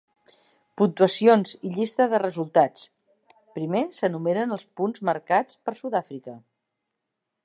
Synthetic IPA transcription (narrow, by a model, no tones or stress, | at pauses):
punt̪uəsionziʎist̪əðərəzulˠt̪at͡s | pɾimesənumenənəlˠspunzməɾkat͡spəɾsuðafɾikə